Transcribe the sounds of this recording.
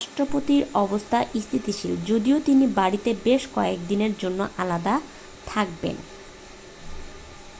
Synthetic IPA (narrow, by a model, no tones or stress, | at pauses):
aʃʈɾopot̪iɾɔbost̪ʰaʔist̪ʰit̪iʃild͡ʑod̪iot̪inibaɽit̪ebeʃkɔekd̪ineɾd͡ʑonːoʔalad̪a | t̪ʰak̚bḛn